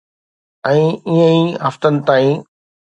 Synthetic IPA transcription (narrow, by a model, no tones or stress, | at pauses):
ɛ̃ːiɦə̃ĩɦɐft̪ənɪ̆t̪aːĩː